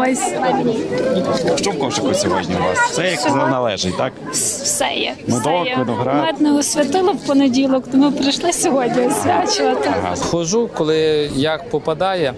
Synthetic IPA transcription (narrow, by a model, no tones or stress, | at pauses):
ɔsʲ | ʃt͡ʃɔwkɔʒɪkɔsʲɔɦɔdʲnʲḭʋa̰ssɛjɐkzɛnɐlˠɛʒɪtʲt̪ak | sɛ̰jɛnud̪ɔjɔd̪ɔɦɾamɛt̪nɛʊsʲʋʲɐt̪ɪlˠɔwpɔnedʲilˠɔkt̪ɔmɪpɾɪʃlˠɪsʲɔɦɔdʲnʲiʊsʲʋʲat͡ʃɪʋɐt̪ɪɦxɔʒukɔlˠɪjɐk̚pɔpɐd̪ɑjɛ